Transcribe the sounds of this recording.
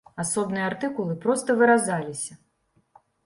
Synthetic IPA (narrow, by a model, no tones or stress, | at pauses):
asɔbnɨjɛart̪ɨkulˠɨpɾɔst̪ɐvɨɾazalʲisʲɐ